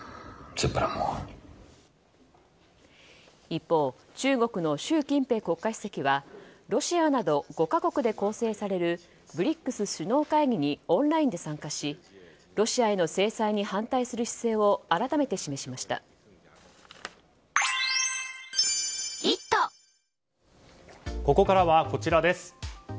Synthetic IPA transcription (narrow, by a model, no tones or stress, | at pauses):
t͡sɨpːɯɾa̰mo̰ | ipːo̞ː | t͡ɕɨːɡo̞kɯ̟no̞ɕɨːkʲĩmpe̞ːko̞kːai̥se̞kʲiβaɾo̞ɕianad̪o̞ɡo̞kako̞kɯ̟d̪e̞ko̞ːse̞ːsaɾe̞ɾɯ̟ | bɯ̟ɾʲikːɯ̟sɨɕɨno̞ːkaiɡʲiɲ̟iõ̞nɾaĩnd̪e̞sãŋkaɕi | ɾo̞ɕiae̞no̞se̞ːsaiɲ̟ihãnt̪aisɨɾɯ̟ɕi̥se̞ːo̞aɾat̪ame̞t̪e̞ɕime̞ɕimaɕi̥t̪a̰ | it̪ːo | ko̞ko̞kaɾaβako̞t͡ɕiɾad̪e̞sɨ̥